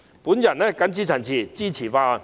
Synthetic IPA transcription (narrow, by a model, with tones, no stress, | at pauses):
pu˨˦nja˨˩nɛ˦˧˩ka˧˥nt͡ɕi˥˧t͡ɕʰa˨˩nt͡ɕʰi˧˩t͡ɕi˥˧t͡ɕʰi˨˩fa˥˧